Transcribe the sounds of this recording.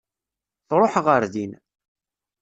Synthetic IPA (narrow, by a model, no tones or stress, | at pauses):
θɾˤoħʁəɾðin